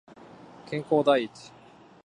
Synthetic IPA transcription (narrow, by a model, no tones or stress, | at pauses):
kʰʲẽŋkod̪ait̪